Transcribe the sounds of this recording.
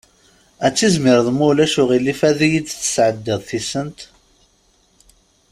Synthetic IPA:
æt͡sːizmɪɾðmʊlæʃʊʁilifæðijid̪θə̥sʕəd̪ːəðˤθisənt̪

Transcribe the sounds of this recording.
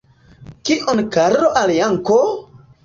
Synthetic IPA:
kiʔonkaɾɾoʔaljaŋko

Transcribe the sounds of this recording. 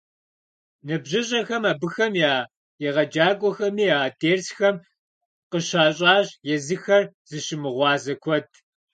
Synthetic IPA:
nɨbʑɪɕʼɐxɐmaːbɨxɐmjaː | jɛʁɐd͡ʒaːkʷʼɔxɐmiːaːdeːrsxɐm | qəɕaːɕʼaːɕjɛzɨxɐr | z̥ɨɕɪmɨʁʷɑːzɐkʷʰɔd̚ʰ

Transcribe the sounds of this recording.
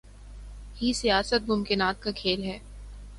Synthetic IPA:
hisijaːsət̪̚mʊmkɪnaːt̪̚kakʰeːlɦɛː

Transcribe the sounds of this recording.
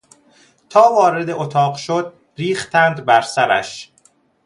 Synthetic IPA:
t̪ʰɒːvɒːɾe̞d̪eʔot̪ʰɒːɢʃod̪̚ | ɾiːxt̪ænd̪bæɾsæɾæ̰ʃ

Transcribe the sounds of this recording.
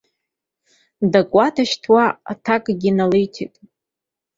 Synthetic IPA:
dakʷʼwatʰaʃtʰwaa̰tʰakʼɡʲinalejtʰḛtʼ

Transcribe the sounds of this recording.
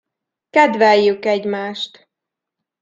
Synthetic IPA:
kɛd̪ʋɛjːykɛɟmaːʃt̪

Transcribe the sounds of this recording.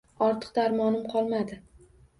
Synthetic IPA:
ɒɾt̪ʰɨ̥q̚d̪aɾmɒnɪmqʰɒlˠmad̪ɪ

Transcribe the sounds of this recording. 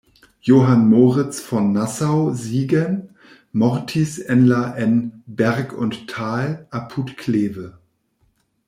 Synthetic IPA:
joːɦanmoːʁɪt͡sfɔnːasaʊziːɡən | mɔʁtʰisʔɛnlaʔɛnbɛʁkʰʊntʰːaːlʔapʰutkʰleːvə

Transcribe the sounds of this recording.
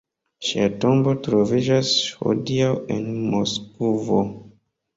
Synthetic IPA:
ʃiatõmbotɾovid͡ʒasho̰diawḭnmoskuvo

